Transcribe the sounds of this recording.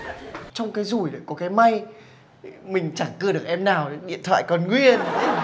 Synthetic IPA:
t͡ɕɔ˧wŋ͡mkaː˨˦jzu˧˩jɗo˨˩kɔ˨˦kaː˨˦jma˧j | mï˨˩ŋ̟t͡ɕa˧˩kɨ˧˩əɗɨ˨˩ək̚ʔɛ˧mnaː˨˩wɗḭ˧˨ənt̪ʰwa̰ː˧˨jkɔ˨˩nŋwi˧ən

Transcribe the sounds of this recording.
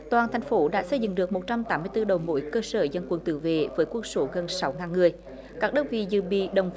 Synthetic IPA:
t̪waː˨˩nt̪ʰɛ˨˩jŋ̟fo˨˦ɗa̰ː˧˥sə˧jzɨ̰˧˨ŋɗɨ˨˩ək̚mo˨˩t̚t͡ɕa˧mt̪aː˨˦mːɨ˧ət̪ɨ˧ɗə˨˩wmo̰˧˥jkəː˧səː˧˩zə˧˩nkwə˨˧˨nt̪ɨ̰˧˩vḛ˧˨vəː˨˦jkwə˧ənso˨˦ɣə˨˩nsa˨˦wŋaː˨˩nŋɨ˨˩əj | kaː˦˥k̚ɗɨ˦˥t̚vḭ˧˨zɨ̰˧˨ɓḭ˧˨ɗə˨˩wŋ͡m

